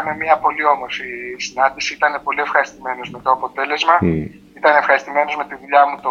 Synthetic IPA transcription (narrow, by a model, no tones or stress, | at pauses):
ɐme̞miɐpo̞lio̞mo̞ɾfisinɐnd̪isiit̪ɐne̞po̞lie̞fxɐɾist̪ime̞no̞zme̞t̪oɐpo̞t̪e̞le̞zmɐ | it̪ɐnefxɐɾist̪ime̞no̞zme̞t̪iðuʎɐmut̪o